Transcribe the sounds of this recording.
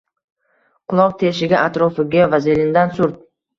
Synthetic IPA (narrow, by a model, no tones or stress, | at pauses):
qʰʊlˠɒq̚t̪ʰe̞ʃɪɡʲaʔat̪ɾɒfɪɡʲavazelɪnd̪ansʊɾt̪̚